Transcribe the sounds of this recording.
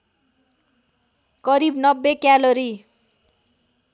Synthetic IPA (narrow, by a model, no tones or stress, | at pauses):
kʌɾibnʌbːekjaloɾi